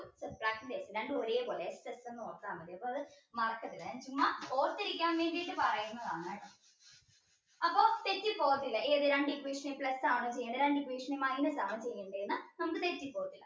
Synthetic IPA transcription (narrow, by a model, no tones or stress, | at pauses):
sɐpraːk̚ind̪esinɐɳɖɨoɾeːpoɭestesɐnoːrk̪ːaːmːɐðiɐpːoɐðɨ | mɐrɐkːɐt̪ːilɐaːnt͡ɕumːɐpo̞ːrt̪ːiɾikʲːaːnʋeːɳɖijʈːɨpɐrɐjunːɐðaːɳaːɳɨ | ɐpːo̞ːt̪etːipːo̞ːɐt̪ːilːɐʔeːɐðɨɾɐɳɖikʋiːʂɐniplɐsːaːɳoːt͡ɕejːnːɐɾɐɳɖikʋiːʂɳimajinɐsaːmɐt͡ɕejːuɳɖɐjunːɨnɐmɐkɨt̪etːipːoːɐt̪ːilːɐ